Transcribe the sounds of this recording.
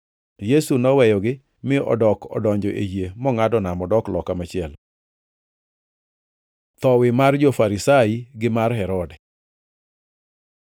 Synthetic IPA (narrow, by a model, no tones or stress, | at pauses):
jesunɔwɛjɔɡɪ | mɪʔɔ̰dɔkɔ̰dɔɲd͡ʒɔʔḛjemɔŋadɔnamɔdɔklɔkamat͡ʃɪɛl | t̪ɔwɪmard͡ʒofaɾisaiɡɪmarɦɛɾɔdɛ